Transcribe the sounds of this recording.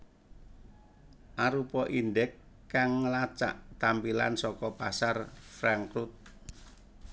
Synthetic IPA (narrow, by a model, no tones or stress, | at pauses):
ʔaɾupɔʔinɖɛkː | aŋːəlat͡ʃa̰ʔt̪ampila̰nsɔkɔpasarfɾaŋkɾut̪̚